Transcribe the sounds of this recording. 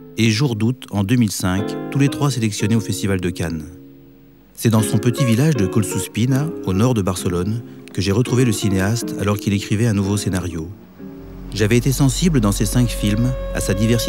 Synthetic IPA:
eʒuʁd̪ut̪ɑ̃d̪ømilsɛ̃kt̪ulet̪χwaselɛksjɔneofɛst̪ivald̪əkan | sɛd̪ɑ̃sɔ̃pət̪ivilaʒd̪əkɔlsuspinaonɔʁd̪əbaʁsəlɔnkəʒeʁət̪χuveləsineast̪a̰lɔʁkʲilekχivɛɛ̃nuvosenaʁjo | ʒavɛet̪esɑ̃sibləd̪ɑ̃sesɛ̃kfilma̰sad̪ivɛʁs

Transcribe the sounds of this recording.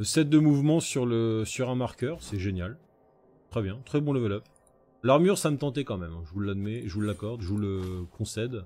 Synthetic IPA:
sɛt̪̚d̪əmuvmɑ̃syʁləsyʁɛ̃maʁkʲœʁsɛʒenjal | t̪χɛbjɛ̃t̪χɛbɔ̃ləvəlœp | laʁmyʁsamət̪ɑ̃t̪̬ekɑ̃mɛmɛ̃ʒəvulːad̪mɛʒəvulːakɔʁd̪ʒəvuləkʰɔ̃sɛd̪

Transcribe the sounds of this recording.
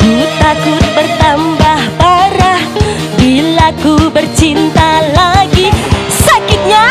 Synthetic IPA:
kut̪akʊt̪̚bərt̪ambahbaɾah | bilakubərt͡ʃint̪alaɡisakɪt̪̚ɲa

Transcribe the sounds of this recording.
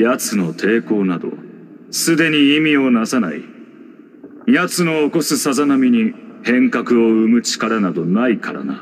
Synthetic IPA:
jat͡sɨno̞t̪ʰe̞ːko̞ːnad̪o̞̰ | sɨd̪e̞ɲ̟iimʲio̞nasana̰ḭ | jat͡sɨnoːko̞sɨsazanamʲiɲ̟ihẽ̞ŋkakɯ̟o̞ɯ̟mɯ̟t͡ɕi̥kaɾanad̪o̞naikʰaɾa̰na̰

